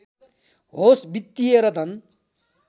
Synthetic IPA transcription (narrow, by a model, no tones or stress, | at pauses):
ɦosbit̪ːijeɾʌt̪ʰʌn